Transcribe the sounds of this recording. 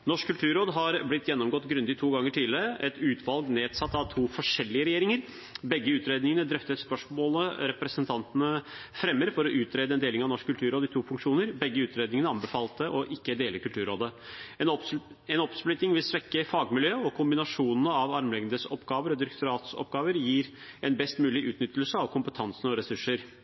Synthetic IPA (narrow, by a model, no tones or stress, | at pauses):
nɔʂkʰːʉlt̪ʰʉːɾoːd̪ɦɑɾblɪt̪ːjɛnːɔmɡɔt̪ːɡɾʉnd̪ɪt̪ʰuːɡɑŋːəʈʰiːləɾəʔɛt̪ʉːt̪ʰʋɑlɡneːd̪sɑt̪ːɑʋt̪ʰuːfɔʂɛlːɪəɾɛjeːɾɪŋəɾ | bɛɡːəʉːt̪ɾeːd̪nɪŋənəd̪ɾœft̪əspœʂmoːləɾɛpɾɛsənt̪ʰɑnt̪ənəfɾɛmːəɾfɔɾɔʔʉːt̪ɾeːd̪əɛnd̪eːlɪŋɑʋnɔʂkʰːʉlt̪ʰʉːɾoːd̪ɪt̪ʰuːfʉŋkʂuːnəɾbɛɡːəʉːt̪ɾeːd̪nɪŋənəɑmbəfɑːlt̪əʔɔʔɪkːəd̪eːləɾkʰʉlt̪ʉːɾoːd̪ə | ɛnɔpsplʏt̪ɪŋʋɪlsʋɛkːəfɑːɡmɪljøːɔkʰʊmbɪnɑʂuːnnəɑʋɑɾmlɛɡnd̪əsɔpːɡɑːʋəɾɔd̪ɪɾɛk̚t̪ʊɾɑːt̪sɔ̰pɡɑːʋəɾjiːɾ | ɛnbɛst̪mʉːlɪʔʉːt̪nʏt̪ʰːəl̩səɑʋkʰʊmpət̪ʰɑnsənəɔɾɛsʉʂːəɾ